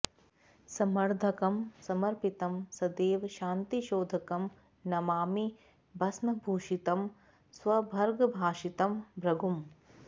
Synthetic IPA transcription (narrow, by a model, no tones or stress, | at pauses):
sɐmɐɾd̪ʱɐkɐmsɐmɐɾpit̪ɐmsɐd̪eːʋɐʃaːnt̪iʃoːd̪ʱɐkɐm | nɐmaːmi | bʱɐsnɐbʱuːʃit̪ɐm | sʋɐbʱɐɾɡɐbʱaːʃit̪ɐmbɾɐɡʱum